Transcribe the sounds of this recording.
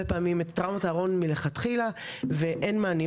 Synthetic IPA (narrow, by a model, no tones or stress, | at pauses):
epaːmimet̪ːʁamataːʁo̞nmile̞χatχilaveʔenmaani